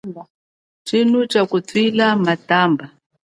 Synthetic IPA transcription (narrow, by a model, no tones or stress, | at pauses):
ba | t͡ʃin̤ut͡ʃakutwilamatamba